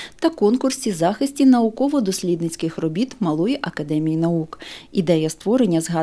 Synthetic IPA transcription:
t̪ɐkɔnkʊrsʲizɑxɪsʲtʲinɐukɔʋɔd̪ɔsʲlʲid̪nɪt͡sʲkɪxrɔbʲit̪mɐlˠɔjiʔɐkɐd̪ɛmʲijinɐukid̪ɛjɐst̪ʋɔɾenʲːɐzɦɑ

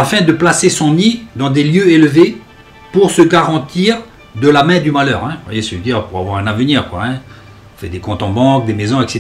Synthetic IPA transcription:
afɛ̃d̪əplasesɔ̃nid̪ɑ̃d̪eljøelve | puʁsəɡaʁɑ̃t̪iːʁ | d̪əlamɛ̃d̪ymalœ̰ːʁɛ̃vwa̰jesəd̪iʁpuʁavwaʁɛ̃navəniːʁkwa̰ɛ̃ | ɔ̃fɛd̪ekɔ̃t̪ɑ̃bɑ̃k̚d̪emezɔ̃ɛkset̪

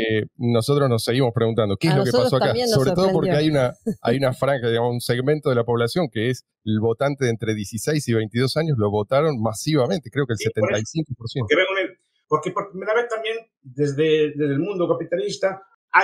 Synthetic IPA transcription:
eno̞so̞t̪ɾoznosːe̞ɣimo̞spɾeɣunt̪and̪o̞keeszlokepasoakasoɾet̪oðop̬o̞ɾkeajunaa̰junafɾaŋxaðiɣamosunse̞ɣment̪o̞ðelapo̞βlasjo̞ŋkees | elβo̞t̪ant̪e̞ðent̪ɾeðjesisejsiβe̞jnt̪iðo̞saɲozlo̞βo̞t̪aɾo̞nmasiβ̞amẽ̞nt̪e̞kɾeo̞kelsset̪et̪ajsiŋkopoɾsjeneβeŋɡoe | poɾkepoɾmelaβet̪ambjen | d̪ezðed̪ezðelmũnd̪okapit̪alist̪a | a

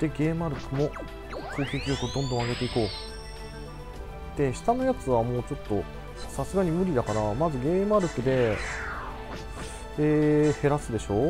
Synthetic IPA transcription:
d̪̥e̞ɡe̞ːmɯ̟aɾɯ̟kɯ̟mo̞ | kʰo̞ːkʲekʲiɾʲo̞kɯod̪õ̞nd̪õ̞aɡe̞t̪e̞iko̞ː | d̪̥e̞ɕi̥t̪ano̞jat͡sɨβ̞amo̞ːt͡ɕo̞t̪ːo̞ | sasɨɡaɲ̟imɯ̟ɾʲid̪akaɾamazɨɡe̞ːmɯ̟aɾɯ̟kɯ̟d̪e̞ | eːhe̞ɾasɨd̪e̞ɕo̞ː

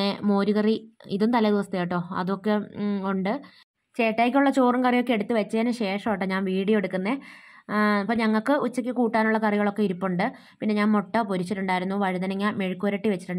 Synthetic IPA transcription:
emo̞ːɾuɣɐriḭðumt̪ɐlɐd̪iʋɐst̪ʰɐjaːjiʈːo̞ːɐ̰ðuokːeuɳɖɨ | t͡ɕe̞ːʈːaːjikʲːuɭːɐt͡ɕoːrɐmkɐrijo̞kːeeɽut̪ːɨʋet͡ɕːɐðɐnɨɕe̞ːʂɐmoʈːɐɲaːnʋiːɽijeɽukːunːe | ɐpːoːɲɐŋːɐɭkɨʔut͡ɕːɐkʲːɨkuːʈːaːnuɭːɐkɐriɣɐɭo̞kːeiɾupːuɳɖɨ | pinːe̞ɲaːnmoʈːɐpuɾut͡ɕːiʈːuɳɖaːjiɾunːuʋɐɻiðɐnɐŋːameɻikːoːɾɐʈːiʋet͡ɕːi̥ʈːuɳɖ

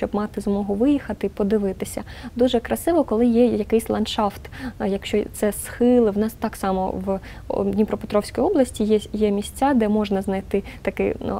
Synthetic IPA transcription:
t͡ʃɔbmɑt̪ɪzmɔɦʊʋɪjixɐt̪ɪpɔd̪ɪʋɪt̪ɪsʲɐ̰d̪uʒɛkɾɐsɪʋɔkɔlˠɪjɛjɐkɪjsʲlˠɐnʃɑft̪jɐkʃt͡ʃɔt̪sɛsxɪlˠɪwnɑst̪ɑksɑmɔ̰ʋ | dʲnʲipɾɔpet̪ɾɔwsʲkɔjɔblˠɐsʲtʲijɛjɛmʲisʲt͡sʲːad̪ɛmɔʒnɐznɐjt̪ɪt̪ɐkɪ̰

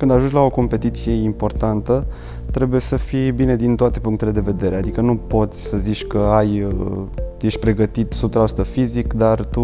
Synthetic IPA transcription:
kɨnd̪aʒunt͡ʃʲlao̞ko̞mpe̞t̪it̪sije̞impo̞rt̪ant̪ə | t̪ɾe̞buje̞səfibined̪int̪oat̪e̞puŋkt̪e̞le̞d̪e̞ve̞d̪e̞ɾead̪ikənupo̞t̪sʲsəzit͡ʃʲkəaj̪ | jeʃt̪̚ʲpɾe̞ɡət̪it̪subt̪ɾast̪əfizikd̪art̪u

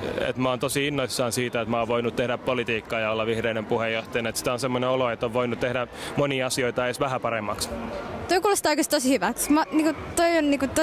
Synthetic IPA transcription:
ḛt̪mɑoːnt̪osiinːoisːɑːnsiːt̪æet̪mɑːʋʋoinut̪t̪ehdæppolit̪iːkːɑːjɑolːɑʋihɾeinempuhejːoht̪ɑjɑnet̪si̥t̪æonsemːoneoloet̪ːoʋʋoinut̪t̪ehdæmoniɑsioit̪ɑesʋæhæpɑɾemːɑkst̪oikuːlost̪oikest̪osihyʋæksmɑniːŋkut̪oionniːŋkut̪

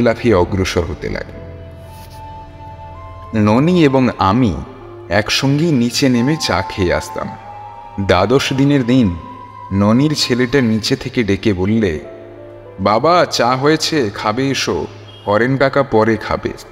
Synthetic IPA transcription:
lapʰiɔɡɾoʃoɾɦot̪ḛla̰ɡe | nonieboŋa̰mi | ɛkʃoŋɡinit͡ɕenemet͡ɕa̰kʰeea̰st̪a̰m | d̪ad̪oʃd̪ineɾd̪inː | oniɾt͡ɕʰeleʈanit͡ɕet̪ʰekeɖekebolːe | babat͡ɕaɦojet͡ɕʰekʰabeeʃo̰ | hɔɾenʈakapɔɾekʰa̰bḛ

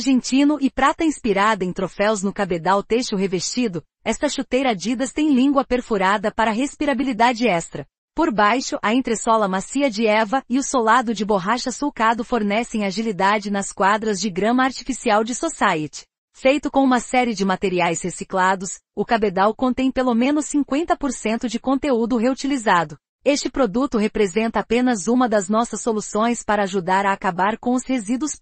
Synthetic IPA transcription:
ʒẽnt͡ʃĩnʊʔɪpɾat̪ɐĩspiɾad̪ɐẽt̪ɾofɛwznʊkabed̪awt̪eʃʊɦevest͡ʃid̪ʊ | ɛst̪ɐʃut̪ejɾɐad͡ʒid̪ɐst̪ẽj̃lĩŋɡwɐpeɾfuɾad̪ɐpaɾɐɦespiɾabilid̪ad͡ʒɪɛst̪ɾɐ | poɾbajʃʊʔɐẽnt̪ɾesɔlɐmasiɐd͡ʒɪɛvɐɪʊsolad̪ʊd͡ʒɪboɦaʃɐsukad̪ʊfoɾnɛsẽj̃aʒilid̪ad͡ʒɪnɐskwad̪ɾɐzd͡ʒɪɡɾɐ̃mɐaɾt͡ʃifisiawd͡ʒɪsosajet͡ʃɪ̥ | fejt̪ʊkõũmɐsɛɾɪd͡ʒɪmat̪eɾiajshesiklad̪ʊs | ʊkabed̪awkõnt̪ẽj̃pelomẽnʊsːĩŋkwẽnt̪ɐpoɾsẽnt̪ʊd͡ʒɪkõnt̪eud̪ʊɦeut͡ʃilizad̪ʊ | est͡ʃɪpɾod̪ut̪ʊɦepɾezẽnt̪ɐapẽnɐzũmɐd̪ɐznɔsɐsːolusõj̃spaɾɐːʒud̪aɾɐːkabaɾkõʊshezid̪ʊs

